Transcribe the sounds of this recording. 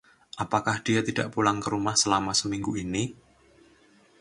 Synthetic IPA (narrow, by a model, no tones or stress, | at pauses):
ʔapakahd̥ijat̪id̥a̰ʔpulaŋkəɾumahsəlamasəmiŋɡuini